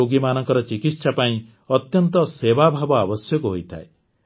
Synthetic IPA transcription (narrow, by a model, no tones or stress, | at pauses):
oɡimanɔŋkɔɾɔt͡ʃikit̪sapaĩ | ɔt̪jɔnt̪ɔsebabʱabɔabɔsjɔkuɦojt̪ʰa̰e